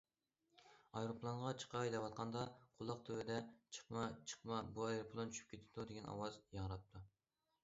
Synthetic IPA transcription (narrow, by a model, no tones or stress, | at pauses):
ɑjɾopʰlˠɑnʁɑt͡ʃʰə̥qʰɑjd̪ɛwɑt̪̚qʰɑnd̪ɑqʰʊlˠːɑq̚t̪ʰøwɪd̪ɛt͡ʃʰə̥qmɑt͡ʃʰə̥qmɑbuɑjɾopʰlˠont͡ʃʰyʃy̥p̚kʲʰet̪ʰɪ̥d̪ud̪eɡʲɛnɑ̰wɑzjɑŋɾɑp̚t̪ʰu